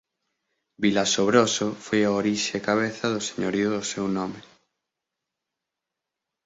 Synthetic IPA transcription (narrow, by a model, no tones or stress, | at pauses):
bilasoβɾosofojaoɾiʃeːkaβ̞eθɐðʊse̥ɲoɾioðʊsewnɔme